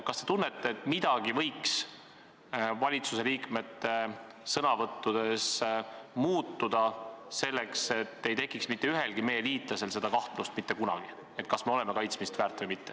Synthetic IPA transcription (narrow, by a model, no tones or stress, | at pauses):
kɑst̪e̞t̪unːet̪ːˑeːt̪ːˑmid̪̥ɑɡ̥ivɤ̞jks | vɑlʲit̪suse̞liːkme̞t̪ːe̞ | sɤnɑvɤt̪ːud̪̥e̞smuːt̪ːud̪̥ɑse̞lːe̞kse̞t̪ːe̞jt̪e̞kːˑiksmit̪ːe̞yɦe̞lɡ̥ime̞jːe̞liːt̪ˑlɑse̞lse̞d̪̥ɑkɑht̪lust̪̚mit̪ːe̞kunɑ̰ɡ̥i | e̞t̪̚ːkɑsme̞o̞le̞me̞kɑjt̪smist̪væːrt̪ːˑvɨjmit̪ːe